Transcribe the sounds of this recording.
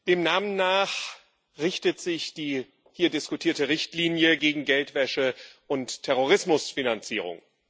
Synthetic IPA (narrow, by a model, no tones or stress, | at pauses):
d̥eːmnaːmənːaːχ | ʁɪçtətz̥ɪçd̥iː | hiːɐdɪskutʰiːɐtəʁɪçtliːnjəɡeːɡŋ̩ɡɛltv̥ɛʃəʔʊntʰːɛʁoʁɪsmʊsfinant͡siːʁ̞ʊ̰ŋ